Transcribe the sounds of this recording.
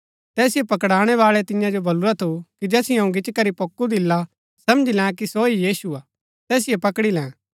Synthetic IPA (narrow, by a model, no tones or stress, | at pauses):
t̪ɛːsiepɐkɽaːɽ̃ɛβaːɭɛt̪ɪ̃jãd͡ʒobɐluɾat̪ʰukid͡ʒɛːsɪjãũɡɪt͡ʃkɐɾipokːud̪ɪlːa | sɐmd͡ʒilɛ̃kisoijiːsuaː | t̪ɛːs̬ɪjepɐkɽilɛ̃ː